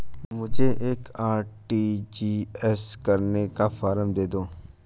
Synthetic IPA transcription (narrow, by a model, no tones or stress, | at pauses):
mʊd͡ʒʱeʔeːkaːɾʈiːd͡ʒiːɛskɐɾnekafaːɾəmd̪eːd̪oː